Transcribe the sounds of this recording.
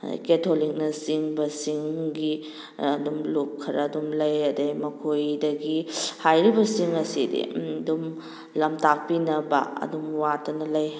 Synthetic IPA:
ketʰolik̚nɐsiŋbɐsiŋɡi | ɐdumlup̚kʰɐɾɐːdumlɐjɐdɐjmɐkʰojdɐɡihajɾibɐsiŋɐsidḭdum | lɐmtak̚pinɐbɐ̰ɐ̰dumwatʰɐnɐlɐj

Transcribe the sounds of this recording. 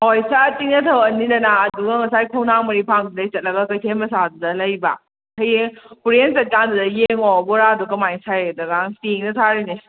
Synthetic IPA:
hojsatiŋnɐtʰɐwɐnːidɐnaɐduɡɐŋɐsajkʰownaŋmɐɾipʰaŋdidɐjt͡ʃɐt̚lɐɡɐkɐjtʰenmɐsadudɐlɐjba̰ | kʰɐjeŋpuɾensɐt̚kandudɐjeŋɔbɔɾadukɐmajŋsajdɐɡaŋsiŋnɐtʰaɾini

